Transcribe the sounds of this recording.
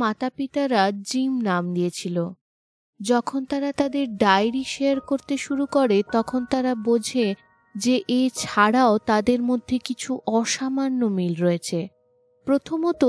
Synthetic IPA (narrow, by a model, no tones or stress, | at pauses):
mat̪apit̪aɾad͡ʑimnamd̪ijet͡ɕʰilo | d͡ʑɔkʰont̪aɾat̪ad̪eɾɖajɾiʃeaɾkoɾt̪eʃuɾukoɾet̪ɔkʰont̪aɾabod͡ʑʱe | d͡ʑeʔet͡ɕʰaɽaot̪ad̪eɾmod̪ʱːekit͡ɕʰuʔɔʃamanːomilɾɔet͡ɕʰe | pɾot̪ʰomɔt̪o